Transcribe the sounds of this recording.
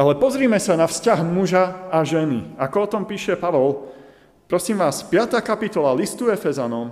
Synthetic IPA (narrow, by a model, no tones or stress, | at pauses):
alɛpɔzɾiːmɛsanafscaɦmuʒaaʒɛnḭakɔɔt̪ɔmpiːʃɛpaʋɔl | pɾɔsiːmʋaːspɪat̪aːkapit̪ɔlalist̪uɛfɛzanɔm